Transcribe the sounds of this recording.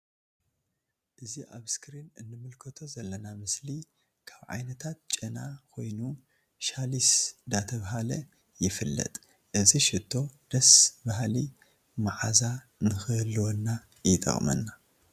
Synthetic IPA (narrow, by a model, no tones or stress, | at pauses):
ʔɨziʔa̰βskɾinɨnːɨmɨlkʰɐt̪ʰo̞zɐlːɐnamɨsli | kʰaβʕa̰jnɐt̪ʰat̪̚t͡ʃʼɐnakʰo̞jnu | ʃalisd̪at̪ʰɐβɦalɐ | jɪfɨlːɐ̰t̪ʼ | ʔɨziʃɪt̪ʰːo̞d̪̥ɐsbahli | maʕaza | nɨxɨlːwonːa | jɪt̪ʼɐ̰χʼmɐ̰nːa